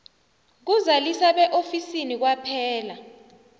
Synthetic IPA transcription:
k̬uzalisaɓɛʔofisinik̬wapʰɛːla

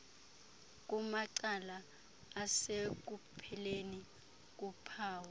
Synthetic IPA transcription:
k̬ʼumaǀalaː | sek̬upʰɛleni | k̬upʰaːwɔ

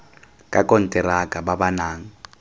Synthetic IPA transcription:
kʼakʼɔn̩tʼɛɾakʼababanaːŋ̩

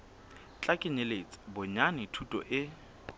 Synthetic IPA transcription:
t͡ɬʼakʼɪɲelet͡sʼɪ̥bʊɲanɪtʰutʼɔ̰ʔɪ

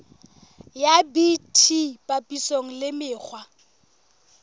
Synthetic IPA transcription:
jabitʰipʼapʼisoŋ̩lɪmɪːk͡xʰwa

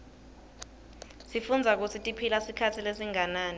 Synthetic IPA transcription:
sifund͡zʱak̬ut͡sʰitʼipʰilasikʰatʰilesiŋanaːni

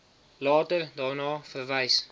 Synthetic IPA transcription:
lɑːtərdɑːrnɑːfərvəjs

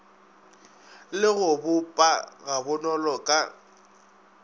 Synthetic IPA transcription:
lɪɣʊbʊpʼaɣabʊnɔlɔkʼa

